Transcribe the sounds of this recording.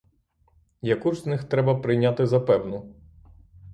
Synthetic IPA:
jɐkuʒznɪxt̪ɾɛbɐpɾɪjnʲat̪ɪzɐpɛwnʊ

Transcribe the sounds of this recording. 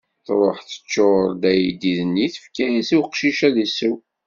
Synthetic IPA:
θɾˤoħθə̥t͡ʃːoɾˤd̪æjid̪iðənːiθəfkæisiwqʃiʃæðisuw

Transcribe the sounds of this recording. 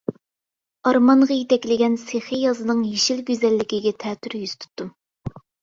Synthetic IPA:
ɑɾmɑɴʁɑjet̪ɛkʲlɪɡʲɛnseχejɑzɨnɨŋjeʃilɡʲøzɛlːɪkʲiɡʲɛt̪ʰɛːt̪ʰyɾjyz̥t̪ʰu̥t̪ːum

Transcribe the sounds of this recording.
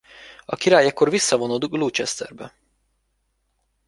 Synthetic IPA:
ɒkiɾaːjɛkːorvisːɒvonod̪ɡlut͡ʃɛst̪ɛ̰rbɛ

